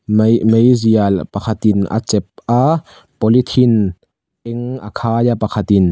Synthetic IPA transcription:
mmejzialpakʰat̪inʔa̰t͡sɛp̚ʔa | pɔlit̪ʰin | ʔɛŋʔa̰kʰaːjapakʰat̪in

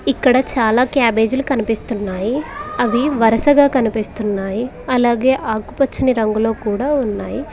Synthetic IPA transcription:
ikːɐɽɐt͡ʃaːlaːkjaːbe̞ːd͡ʒulukɐnipist̪unːaːjiɐʋiʋɐɾɐsɐɡaːkɐnipist̪unːaːji | ɐlaːɡe̞ːʔaːkupɐt͡ʃːiniɾɐŋɡulo̞ːkuːɽaːunːaːji

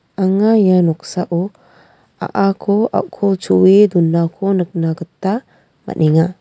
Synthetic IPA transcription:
aŋajanɔk̚saʔɔ | a̰ʔakʰɔa̰ʔkʰɔt͡ʃuwed̪unːakʰɔnək̚naɡət̪ːa | ma̰nʔiŋa

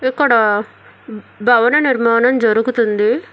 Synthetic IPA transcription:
ikːɐɽɐ | bʱɐʋɐnɐniɾmaːnɐmd͡ʒɐɾuɡut̪und̪i

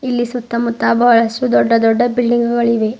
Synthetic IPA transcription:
ilːisut̪ːɐmut̪ːaːbɐʋɐɭɐsud̪ɔɖːɐd̪ɔɖːɐbilɖiŋɡuɡɐɭiʋe

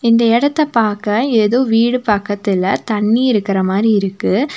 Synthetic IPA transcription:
ɪnd̪ɐɪɽɐt̪ːɐpaːɾkɐ̃eːðoːʋiːɽɯpɐkːɐt̪ːɪlɐt̪ɐɳːiɪɾɯkːɪɾɐmaːd̪ɾiɪɾɯkːɯ

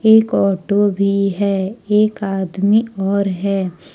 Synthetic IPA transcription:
eːkɔːʈobʱiɦɛːeːkaːd̪miɔːɾɦɛː

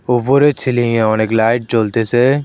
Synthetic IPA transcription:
ʊbuɾet͡ʃʰɪlĩɛ̃ɔːneklaːɪʈ̚t͡ʃoːlt̪ese

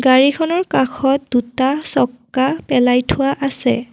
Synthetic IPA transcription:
ɡaɹikʰɔnɔɹkaxʰɔt̚dutasɔkːapɛlajtʰʊwaʔasɛ̰

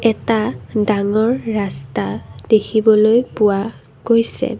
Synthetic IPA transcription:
ɛtadaŋɔɹːastadekʰibɔlojpʊa | ɡ̥ojsɛ̰

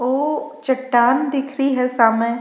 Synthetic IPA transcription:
oːt͡ʃɐʈːaːnd̪ɪkʰɾiɦɛsaːmẽ

